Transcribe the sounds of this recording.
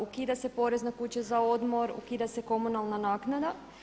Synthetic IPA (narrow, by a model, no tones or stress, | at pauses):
ukiːd̪ase̞po̞ɾe̞znakut͡ɕezao̞d̪mo̞ɾṵkiːd̪ase̞ko̞munalˠnanaːknad̪a